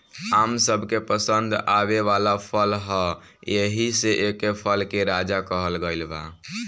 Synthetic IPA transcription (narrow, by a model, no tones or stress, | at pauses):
amsəbʱkepəsənd̪ʱaβeʋalapʰəlɦə | jeɦiseʔekepʰəlkeɾad͡ʒakəɦəlɡəɪlba̰